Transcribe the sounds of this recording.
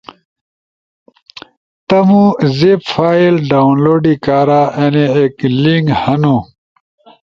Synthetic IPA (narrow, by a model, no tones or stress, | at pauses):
t̪ɐmũzepfaːilɖaːunloːɖikaːɾaʔeneekliŋɡhɐnũ